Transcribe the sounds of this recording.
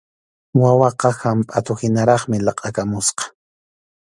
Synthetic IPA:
wawɑqɑhampʼat̪ʊhɪnaɾɑχmɪlɑqʼɑkamʊsqɑ̥

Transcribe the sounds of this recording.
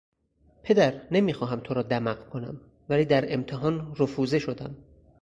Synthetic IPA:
pʰe̞d̪æɾnemiːxɒːɦæmt̪ʰoɾɒːd̪æmæqkʰonæ̰m | væliːd̪æɾe̞mt̪ʰeɦɒːnrofuːze̞ʃod̪æm

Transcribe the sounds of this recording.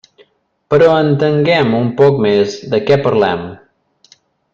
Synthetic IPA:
pəɾɔənt̪əŋɡɛmumpɔk̚mezd̪əkɛpəɾlɛ̰m

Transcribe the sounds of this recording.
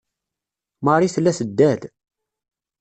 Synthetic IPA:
məɾˤiθəlːæsəd̪ːæd̪

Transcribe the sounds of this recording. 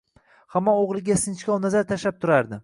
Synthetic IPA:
hamːɒoʁlˠɪɡʲasɪnt͡ʃkʲɒwnazaɾt̪ʰaʃlap̚t̪ʰʊɾaɾd̪ɪ

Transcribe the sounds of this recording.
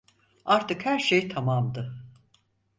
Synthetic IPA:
aɾt̪ɯkhæɾʃejt̪ʰamamd̪ɯ

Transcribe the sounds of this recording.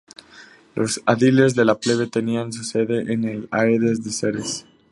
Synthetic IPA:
lʔo̞saðile̞zðe̞lapleβe̞t̪e̞nians̬use̞ðe̞ʔenelajeðezðeseɾes

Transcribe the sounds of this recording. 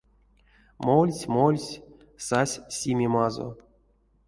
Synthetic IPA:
molʲsʲmolʲsʲ | sasʲsʲimʲimazo̰

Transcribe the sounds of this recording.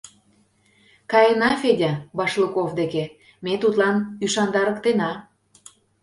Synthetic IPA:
kɑjenɑfedʲɑbɑʃlukovd̪eke | met̪ut̪lɑnyʃɑnd̪ɑɾə̆kt̪enɑ

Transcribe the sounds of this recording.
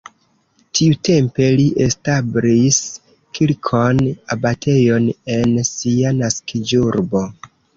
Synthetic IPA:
tʰiute̞mpe̞liʔestabɾis | kʰilkʰonabatʰe̞jo̞ne̞nsianaskid͡ʒuɾbo̞

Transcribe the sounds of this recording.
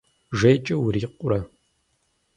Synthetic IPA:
ʒɐjt͡ʃʼɐwɾiːqʷʼʊɾɐ

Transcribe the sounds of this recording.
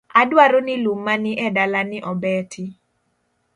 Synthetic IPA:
adwaɾonɪlumːanɪʔɛdalanɪʔɔbɛtʰɪ

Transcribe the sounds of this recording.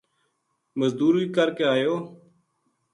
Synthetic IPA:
məzd̪uːɾʋiːkəɾkeaːjoː

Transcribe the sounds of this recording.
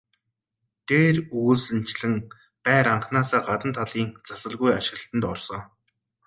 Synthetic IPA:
t̪ʰeːruɮsɘ̆n̥t͡ɕɮɘ̆ŋ | pæːɾaɴχnaːsaːɢat̪ə̆nt̪ʰaɮiːŋt͡sasə̆ɮɣujaʃɪ̆ɣəɬt̪ə̆nt̪ɔrsɞː

